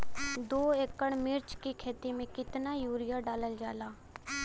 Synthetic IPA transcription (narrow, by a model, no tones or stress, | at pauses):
d̪oːeːkːəɽmɪɾt͡ʃkikʰeːt̪imẽkɪt̪najuːɾɪjaɖaːləld͡ʒaːlaː